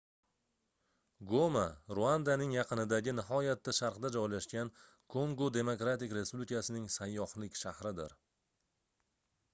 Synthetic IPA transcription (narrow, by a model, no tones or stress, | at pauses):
ɡomaɾuand̪anɪŋjɑqʰɨnɪd̪aɡʲɪnɪɦɒjat̪ːaʃaɾqd̪ad͡ʒɒjlaʃɡʲan | kʰoŋɡod̪e̞mokɾat̪ɪkʲɾe̞spublikʰasɪnɪŋsajːɒhlɪkʲʃahɾɪd̪ɪɾ